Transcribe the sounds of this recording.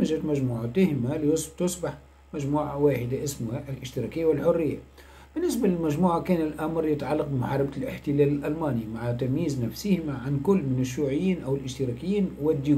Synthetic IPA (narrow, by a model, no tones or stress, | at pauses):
ʒæt̪mæʒmuːʕat̪æhɪmalijʊst̪ʊsˤbɪħ | mæʒmuːʕawaːħɪd̪aʔɪsmʊhaʔlʔɪʃt̪əɾɑkɪjːawɪlħorːɪjːa̰ | b̥ɪnːɪsbalɪlmæʒmuːʕakæːnɪlʔæmɾˤjɪt̪ʕalːɑq̚bəmʊħɑːɾˤɑblɪħt̪ɪlæːlɪlʔælmæːnimaʕat̪æmjiːznæfsɪhɪmæʕankʊlːmɪnɪʃ̬ːuːʕɪjːiːnʔæwɪlʔɪʃt̪əɾɑkɪjːiːnwɪd̪ːu